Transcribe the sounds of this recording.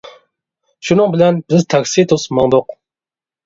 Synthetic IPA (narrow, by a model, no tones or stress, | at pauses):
ʃunɨŋbɪlɛnbɪzt̪ʰɑkʲsit̪ʰusmɑŋd̪ʊq